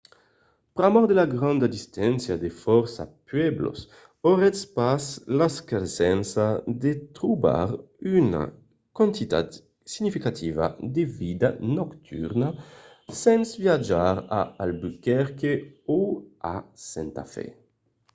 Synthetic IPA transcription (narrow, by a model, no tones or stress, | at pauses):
pɾamɔʁd̪elaɡʁãnd̪ad̪ist̪ɛnsjad̪efɔɾsapɥɛblo̰s | oʁɛspaslaskaɾsɛnsad̪et̪ɾuba̰ɾ | yna̰ | kwãnt̪it̪a̰t̪ | siɲifikat̪ʰiva̰d̪evid̪anɔkt̪ʰy̰ɾna | sɛnsvjad͡ʒaɾaalbykɛɾkeoasɛ̃nt̪a̰fɛ̰